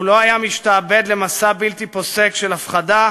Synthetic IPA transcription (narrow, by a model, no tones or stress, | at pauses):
lo̞ajamiʃtaːbe̞d̪le̞masabilt̪ipo̞se̞kʃelafχad̪a